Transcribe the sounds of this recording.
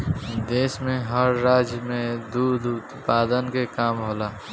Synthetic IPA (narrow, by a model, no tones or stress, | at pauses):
d̪eːsmẽɦəɾːaːd͡ʒjəmẽd̪ud̪ʊt̪paːd̪ənkekaːmɦoːlaː